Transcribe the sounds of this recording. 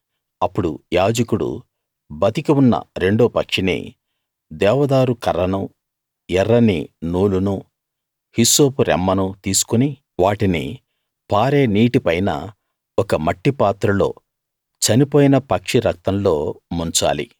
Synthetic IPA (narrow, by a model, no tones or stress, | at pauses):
ɐpːuɽujaːd͡ʒɐkuɽṵ | bɐt̪ikiunːɐ̰ɾe̞ɳɖoːpɐkʂinḭː | d̪ɛːʋɐd̪aːɾukɐɾɐnɐ | ɛɾːɐnḭnuːlunuː | hiso̞ːpuɾɛ̰mːɐnut̪iːsu̥kuni | ʋaːʈinḭ | paːɾe̞ːniːʈipɐjnɐ̰ | ɔkɐmɐʈːipaːt̪ɾɐlo̞ː | t͡ʃɐnipoːjinɐpɐkʂiɾɐk̚t̪ɐnlo̞ːmuɲt͡ʃa̰ːlḭ